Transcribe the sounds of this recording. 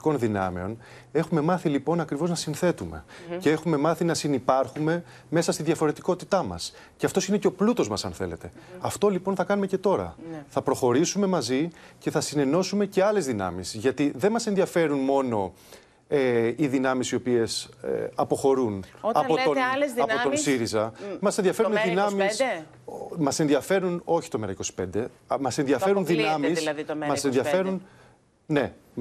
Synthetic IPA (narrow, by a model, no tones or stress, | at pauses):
ko̞nðinɐ̰meo̞̰n | e̞xume̞mɐθilipo̞nɐkɾivo̞znɐsinθe̞t̪umḛceexume̞mɐθinɐsinipɐɾxume̞ | me̞sɐst̪inðjʝɐfo̞ɾe̞t̪iko̞t̪it̪ɐmɐ̰s | ceɐft̪o̞sine̞ceo̞plut̪o̞zmɐsɐ̰nθe̞̰le̞t̪e̞ɐft̪o̞lipo̞nθɐkɐnumece̞t̪o̞ɾɐ̰θɐpɾo̞xo̞ɾisume̞mɐzice̞θɐsine̞no̞sume̞ce̞ɐle̞zðinɐ̰misʝɐt̪iðe̞nmɐsenðiɐfe̞ɾunmo̞no̞ | eiðinɐmisiopie̞sɐpo̞xo̞ɾunɐot̪olzɐot̪onsiɾizɐmɐsenðiɐfe̞uniðinɐmis | mɐse̞nðiɐfe̞ɾuno̞çi̥t̪o̞meɾɐiko̞si̥pe̞nd̪emɐse̞nðiɐfe̞ɾunðinɐmismɐsenðiɐfe̞ɾun | ne̞